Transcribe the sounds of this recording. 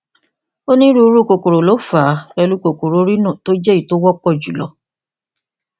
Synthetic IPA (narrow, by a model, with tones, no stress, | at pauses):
o˦nĩ˦ɾu˦˧˦ɾu˦˨ko˨ko˨ɾo˨lo˨˦fa˨˦ɾɛ˧lu˦ko˨ko˨ɾo˨˦ɾi˦nũ˦˨to˦d͡ʒɛ˦i˦˨to˦wɔ˦k͡pɔ˦˨d͡ʒu˨lɔ˧˦